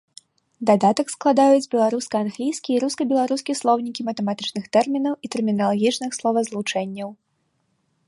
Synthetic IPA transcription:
d̪ad̪at̪ɐksklˠad̪ajud͡zʲbʲɛlˠaɾuskɐanɣlʲijskʲiiɾuskɐbʲɛlˠaɾuskʲislˠɔwnʲikʲimɐt̪ɛmat̪ɨt͡ʂnɨxt̪ɛrmʲinɐwit̪ɛrmʲinɐlˠaɣʲit͡ʂnɨxslˠɔvɐzlˠut͡ʂɛnʲːɐw

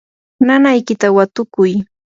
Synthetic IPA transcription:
nanajkɪt̪awat̪ʊkʊj

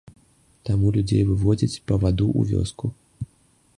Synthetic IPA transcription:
t̪amulʲud͡zʲḛjvɨvɔd͡zʲit͡sʲpɐvad̪uʔṵvʲɔ̰sku

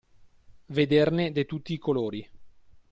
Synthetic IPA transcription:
ved̪erned̪ejt̪ut̪ːiːkoloːɾi

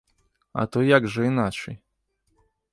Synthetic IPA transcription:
a̰t̪ɔjaɡʐɛinat͡ʂɛj

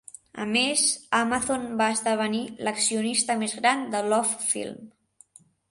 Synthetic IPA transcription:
ə̰mezamaθonbaəzðəβ̞əniləksiunist̪əmezɣɾand̪əlɔffḭlˠm

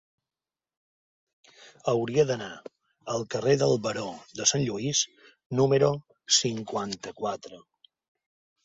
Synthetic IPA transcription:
əwɾiəðəna | əlˠkəreðəlˠβəɾod̪əsanʎuis | numəɾu | siŋkwant̪əkwat̪ɾə

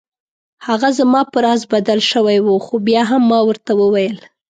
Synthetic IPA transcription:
haɣazamɑpəɾɑzbad̪alʃəwajwuxobjɑɦamːɑwəɾt̪awəwajəl

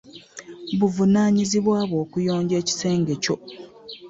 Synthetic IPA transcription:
βuvunaːɲiziβwaːβo̞ːkujo̞ːɲɟe̞ːci̥se̞ːŋɡe̞co̞

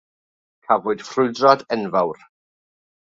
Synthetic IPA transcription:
kʰavʊɨd̥frʊɨdrɔdɛnvawr

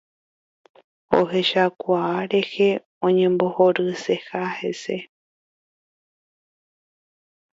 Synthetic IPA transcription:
o̰ɦe̞ʃakʷaːɾe̞he̞ | õ̞ɲẽ̞mbo̞hoɾɨse̞hahe̞se̞

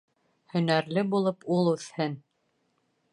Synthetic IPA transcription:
hɵ̆næɾlɘbulˠɤpulˠʉθhɘn

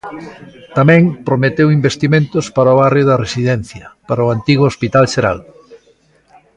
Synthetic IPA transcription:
t̪amɛ̃ŋpɾomet̪ewimbest̪imẽnt̪ʊspaɾɐoβarjʊðɐresiðɛn̟θjɐpaɾɐoant̪iɣ̞oospit̪alʃeɾa̰l

